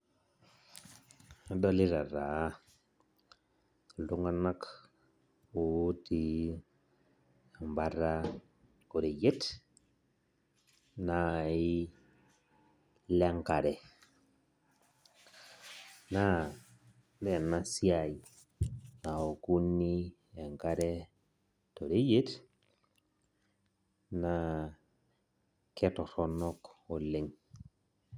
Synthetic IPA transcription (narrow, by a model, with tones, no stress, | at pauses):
dɔ˦li˦ɾa˨ɾa˨˦˨ | ldu˦ŋa˦na˦k | u˨˦ti˨˦˨ | mba˦ɾa˦ | ko˨ɾi˨je˦t | na˨i˦ | lɛ˦ŋka˨ɾɛ˨ | na˦ | be˨na˨si˦a˨i˨ | na˨o˨ku˦nːi˦ | e˨ŋka˦ɾe˦ | to˨ɾe˦je˦t | na˨ | ke˦to˨to˦no˦ko˨le˨ŋ